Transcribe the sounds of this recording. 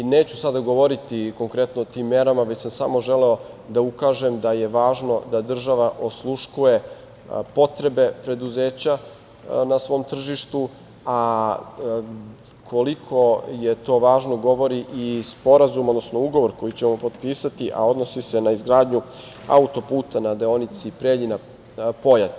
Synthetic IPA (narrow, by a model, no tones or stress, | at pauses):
neːt͡ɕusad̪aɡo̞ʋo̞ɾit̪iko̞ŋkɾet̪noot̪iːmːeɾamaʋe̞t͡ɕsamsaːmo̞ʒe̞leo̞ | d̪aukaːʒe̞md̪aje̞ʋaːʒno̞d̪ad̪r̩ʒaʋaʔo̞slˠuʃkuje̞ | po̞t̪ɾe̞be̞pɾe̞d̪uze̞ːt͡ɕa | nasʋo̞ːmt̪r̩ʒiʃt̪u | a | kʰolikʰo̞je̞t̪o̞ʋaːʒno̞ɡo̞ʋo̞ɾiʔispo̞ɾazumod̪nosno̞uɡo̞ʋo̞ɾko̞jit͡ɕemmopo̞d̪piːsat̪iʔa̰o̞d̪no̞sisenaizɡɾaːd̪ɲu | a̰ut̪o̞puːt̪anad̪eo̞nit̪sipɾeʎina | po̞jat̪